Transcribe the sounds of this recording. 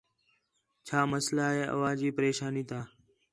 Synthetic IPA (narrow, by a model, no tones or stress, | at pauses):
t͡ʃʰaːməslaːɦeːʔə̰ʋaːd͡ʒiːpəɾeːʃaːniːt̪ʰaː